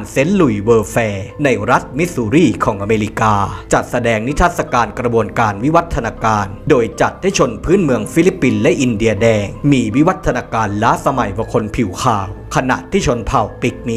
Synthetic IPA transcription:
nse˦˥nlu˨˩jwɤː˧fɛː˧na˧jɾa˦˥t̪̚mi˦˥suː˧ɾiː˥˩kʰɔː˩˦ŋʔa˧meː˧ɾi˦kaː˧t͡ɕa˨˩t̪̚sa˧dɛː˧ŋni˦˥t̪ʰa˦˥t̪̚sa˧kaː˧nkɾa˧bu˧ənkaː˧nwi˦˥wa˦˥t̪ʰːa˧naː˧kaː˧ndoː˧jt͡ɕa˨˩t̪̚ha˦˥˩jt͡ɕʰo˧npʰɯː˦˥˨nmɯ˧əŋfi˦˥li˦˥pːi˧nlɛ˦˥ʔi˧ndi˧ɐdɛː˧ŋmiː˧wi˦˥wa˦˥t̪ʰːa˧naː˧kaː˧nlaː˦˥sa˧ma˨˩jwa˧kʰo˧npʰi˨˩˦wkʰaː˨˩w | kʰa˧na̰˨˩ʔt̪ʰːiː˥˩t͡ɕʰo˧npʰa˨˩wpi˨˩k̚ni˦

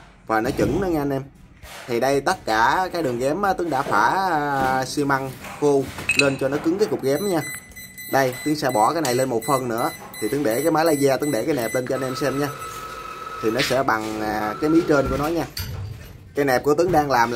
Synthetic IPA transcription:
vaː˨˩nɔ˨˦t͡ɕɨ̰˧˩ŋnɨ˨˦ŋ˧ʔa˧nʔɛ˧m | t̪ʰi˨˩ɗə˧jt̪ə˦˥t̚kaː˧˩kaː˨˦jɗɨ˨˩əŋɣɛ˨˦mʔaː˨˦t̪ɨ˨˦ŋɗa̰ː˧˥faː˧˩ | si˧ma˧ŋxu˧le˧nt͡ɕɔ˧nɔ˨˦kɨ˨˦ŋkaː˨˦jkʊ˨˩k͡p̚ɣɛ˨˦mɲaː˧ | ɗə˧jt̪ɨ˨˦ŋsɛ̰˧˥ɓɔ˧˩kaː˨˦jna˨˩jle˧nmo˨˩t̚fə˧nnɨ̰˧˥ə | t̪ʰi˨˩t̪ɨ˨˦ŋɗe˧˩kaː˨˦jmaː˨˦jlaː˧˦jzaː˧t̪ɨ˨˦ŋɗe˧˩kaː˨˦jnɛ˨˩p̚le˧nt͡ɕɔ˧a˧nʔɛ˧msɛ˧mɲaː˧ | t̪ʰi˨˩nɔ˨˦sɛ̰˧˥ɓa˨˩ŋaː˨˩kaː˨˦jmi˨˦t͡ɕə˧nku˧˩ənɔ˨˦ɲaː˧ | kaː˨˦jnɛ˨˩p̚ku˧˩ət̪ɨ˨˦ŋɗaː˧ŋlaː˨˩m

